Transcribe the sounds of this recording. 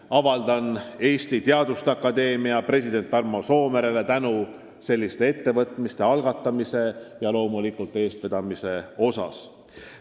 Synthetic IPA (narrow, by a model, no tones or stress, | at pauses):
ɑvɑld̪̥ɑne̞ːst̪it̪eɑd̪̥ust̪ɑkːˑɑd̪e̞ːmiɑpre̞sʲid̪e̞nt̪ːˑɑrmoso̞ːmeɾele̞t̪ænu | se̞lʲːist̪e̞e̞t̪ːe̞vɤt̪ˑmist̪e̞ɑlɡ̥ɑt̪ˑːɑmise̞jɑlo̞ːmulikult̪ːˑe̞ːst̪ved̪̥ɑmise̞o̞sɑ̰s